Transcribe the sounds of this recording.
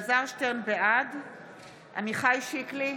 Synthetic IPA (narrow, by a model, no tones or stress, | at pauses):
zaʁʃteʁnbead | ʔa̰miχajʃikli